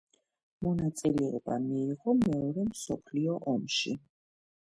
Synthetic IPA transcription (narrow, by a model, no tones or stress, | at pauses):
mɔnat̪sʼilɛɛba̰miːʁɔmɛɔɾɛmsɔpʰliɔʔɔmʃḭ